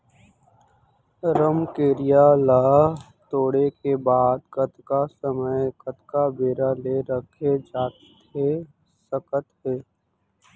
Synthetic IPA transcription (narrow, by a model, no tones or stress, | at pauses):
ɾəmkeːɾijalaː | t̪oːɽekebaːd̪kət̪kasəməɪkət̪kabeːɾaleɾəkʰed͡ʒaːt̪ | t̪ʰe | səkət̪ɦeː